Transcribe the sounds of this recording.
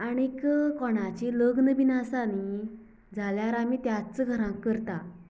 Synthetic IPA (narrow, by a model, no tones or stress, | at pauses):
aɽ̃ikəkɔɽ̃at͡ɕeləɡnəʋinasani | d͡zʱaljaɾamit̪jat͡səɡʱəɾãkːəɾt̪a